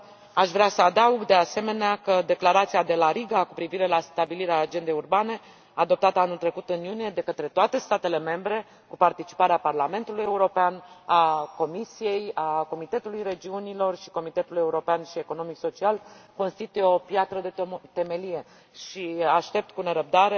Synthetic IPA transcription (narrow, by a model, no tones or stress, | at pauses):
aʃvɾeasəad̪auɡd̪e̞ase̞me̞neakəd̪e̞klaɾat̪siad̪e̞laɾiɡakupɾiviɾe̞last̪abiliɾeaːd͡ʒe̞nd̪ejurbane̞ | ad̪o̞p̚t̪at̪əanult̪ɾe̞kut̪ɨnjunije̞d̪e̞kət̪ɾe̞t̪oat̪e̞st̪at̪e̞le̞me̞mbɾe̞ | kupart̪it͡ʃi̥paɾeaparlame̞nt̪uluje̞uɾo̞peanako̞misije̞jako̞mit̪e̞t̪ulujɾe̞d͡ʒiunilo̞rʃi̥ko̞mit̪e̞t̪uluje̞uɾo̞peanʃie̞ko̞nomikso̞t͡ʃialko̞nst̪it̪ujeo̞pjat̪ɾəd̪et̪e̞me̞lije̞ | ʃiaʃt̪e̞p̚t̪kune̞ɾəb̚d̪aɾe